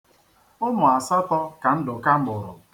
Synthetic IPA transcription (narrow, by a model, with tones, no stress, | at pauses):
ʊ˦mʊ˨a˨sɔ˦tɔ˦ka˨n̩˦dʊ˨ka˦ŋ͡m̩˦ɡ͡bʊ˨ɾʊ̰˨